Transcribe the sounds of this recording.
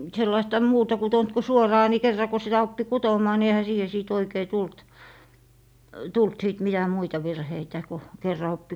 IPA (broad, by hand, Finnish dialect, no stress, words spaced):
selːɑistɑ muːtɑ kutont ku suorɑː ni kerːɑ ko sitæ opːi kutomˑɑː ni ehæ siːhe siˑt oikei tult tult siˑt mitæ muitɑ ʋirheitæ ko kerːɑ opːi